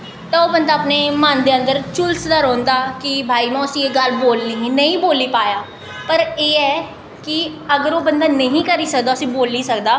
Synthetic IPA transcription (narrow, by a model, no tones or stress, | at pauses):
t̪aːoːbənd̪aːpneːmənd̪eːə̃nd̪əɾt͡ʃʊlsd̪əɾõːnd̪aːkɪbʱaːiːmɛ̃ːʊsiːeɡəlboːlniːɦːnəĩːboːlːiːpaːjaː | pəɾeːɛː | kɪəɡəɾoːbənd̪aːnəɦĩːkəɾiːsəkd̪aːʊsĩːboːlniːsəkd̪aː